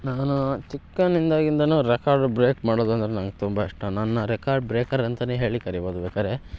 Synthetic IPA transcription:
naːnut͡ʃikːɐnind̪aːɡind̪ɐnuːɾekaːɾɖbɾeːkmaːɽoːd̪uɐnd̪ɐɾenɐnɡet̪umbɐiʂʈːɐnɐnːɐɾekaːɾɖ̚bɾeːkɐɾɐnt̪ɐneːɦe̞ːɭikɐɾiboːd̪ubɛːkaːɾe̞

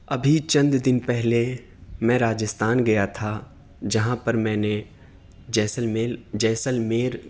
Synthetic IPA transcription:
ɐbʱit͡ʃɐ̃nd̪d̪ɪnpɛɦle | mɛ̃ɾaːd͡ʒəst̪aːnɡɐjat̪ʰa | d͡ʒɐɦãpɐɾmɛ̃ːne | ɛsed͡ʒɛːsəlmeːɾ

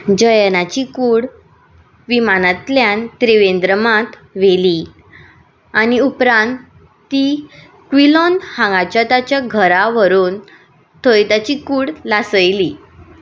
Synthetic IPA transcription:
d͡ʑəjnat͡ɕikuːɽ | ʋimanat̪ljant̪ɾiʋend̪ɾəmãt̪ | ʋeli | aniupɾãnt̪ː | i | kʋilɔnhãŋɡat͡ɕjat̪at͡ɕjaɡʱəɾaʋəɾuːn | t̪ʰəjt̪at͡ɕikuːɽlasəjli

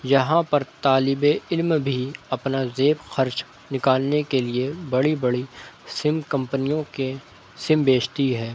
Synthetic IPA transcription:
jɐɦãpɐɾt̪aːlɪbeɪlmbʱiɐpnazeːbxɐɾt͡ʃ | nɪkaːlnekeliebɐɽibɐɽisɪmkɐ̃mpənijõke | sɪmbeːt͡ʃt̪iɦɛː

